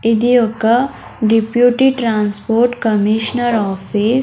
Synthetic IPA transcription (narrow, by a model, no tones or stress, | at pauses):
ɪd̪ioka | ɖipjuːʈiʈɾãːnspoːɾʈkɐmiʃnəɾɔːfis